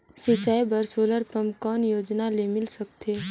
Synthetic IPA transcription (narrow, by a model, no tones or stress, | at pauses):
sɪt͡ʃajbəɾsoːləɾpəmkɔːnjoːd͡ʒnalemɪlsɐkt̪ʰeː